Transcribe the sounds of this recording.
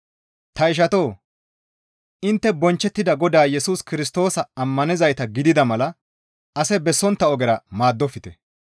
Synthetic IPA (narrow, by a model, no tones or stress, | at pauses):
t̪ɐɪʃ̬ɐt̪oː | ɪnt̪ːɛbɔnt͡ʃːɛt̪ːɪd̪ɐɡɔd̪aːjɛsuːskɪɾɪs̬t̪o̞ːsɐɐmːɐnɪzɐjt̪ɐɡɪd̪ɪd̪ɐmɐlɐ | ɐsɛbɛsːɔnt̪ːɐɔɡɛɾɐmaːd̪ːɔfɪt̪ɛ